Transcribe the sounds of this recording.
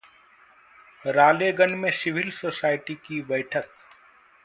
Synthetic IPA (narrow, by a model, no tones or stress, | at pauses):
ɾaːleːɡənmẽsɪʋɪlsoːsaːɪʈikibɐɪʈʰək